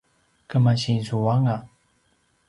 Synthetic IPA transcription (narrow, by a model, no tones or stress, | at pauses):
kəmaɕĩnsuwaŋa